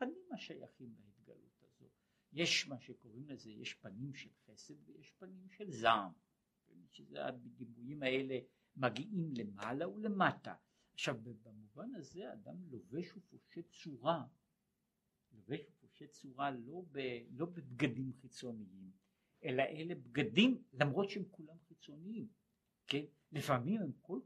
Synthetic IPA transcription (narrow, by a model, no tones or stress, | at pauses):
panimhaʃaja̰χimlahet̪ɡa̰lṵt̪azo̞̰ | je̞ʃmaʃeko̞ʁimlezejeʃpanimʃelχe̞se̞d̪vejeʃpanimʃelzam | vemiʃezḛa̰bed̪imujimae̞le | maɡiʔimle̞malaule̞mata̰ | aχʃavbbamuvanazead̪amloveʃufoʃet͡suʁa | loveʃufoʃet͡suʁalo̞belo̞bebɡadimχit͡so̞niim | ʔe̞laʔele̞bɡadimlamʁo̞t̪ʃehemkulamχit͡so̞niim | ken | lifamimhemko̞l